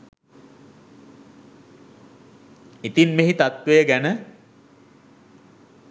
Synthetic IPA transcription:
it̪inmeɦit̪at̪ʋejəɡænə

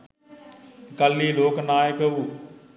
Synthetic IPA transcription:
kəlːiːloːknaːekəuː

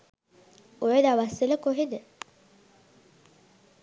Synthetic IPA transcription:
ojəd̪aʋasiləkoɦid̪ə

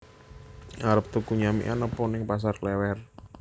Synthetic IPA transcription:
ʔaɾəp̚t̪ukuɲamḭʔa̰nəpɔnɪŋpas̬arklɛwɛr

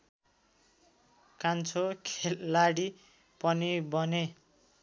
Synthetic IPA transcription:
kant͡sʰokʰelːaɽi | pʌnibʌne

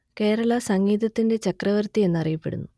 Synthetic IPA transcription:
ke̞ːɾɐɭɐsɐŋːiːd̪ɐt̪ːinde̞t͡ɕɐkrɐʋɐrt̪ie̞nːɐrijɐpːe̞ɽṵnːu

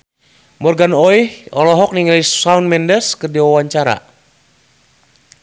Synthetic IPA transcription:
mɔrɡanɔihɔ̰lɔɦɔk̚niŋalissawnmɛndɛrskərdiwawaɲt͡ʃaɾa̰

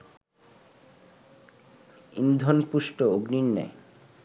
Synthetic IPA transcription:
ḭnd̪ʱonpuʃʈooɡninːa̰

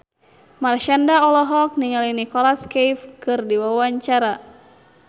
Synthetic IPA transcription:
marʃandaɔlɔɦɔk̚niŋalinikɔlaskajfkɨrdiwawaɲt͡ʃaɾa

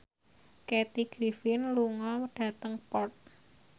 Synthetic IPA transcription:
kɛt̪iɡ̥ɾifɪnluŋɔɖ̥ä̤t̪əŋpɔrt̪̚

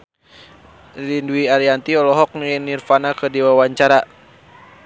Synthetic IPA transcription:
linduiaɾiant̪iɔlɔɦɔk̚nuɛnirfanakədiwawaɲt͡ʃaɾa

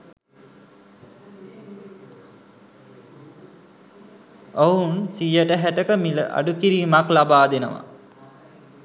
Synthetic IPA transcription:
ounsijəʈəɦæʈəkəmilə̰ʔa̰ɖukiɾiːmaklabaːd̪enəʋa̰

